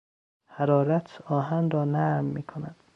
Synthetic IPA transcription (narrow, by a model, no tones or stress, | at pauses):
hæɾɒːɾæt̪ʰɒːɦænɾɒːnæɾmːḭːkʰonæd̪̥